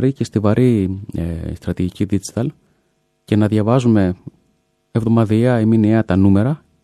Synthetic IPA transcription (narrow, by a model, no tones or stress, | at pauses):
ɾicest̪ivɐɾʔi | st̪ɾɐt̪iʝiciðid͡zi̥t̪ɐl | ce̞nɐðʝɐvɐzume̞ | evðo̞mɐðiɐiminiɐt̪ɐnume̞ɾɐ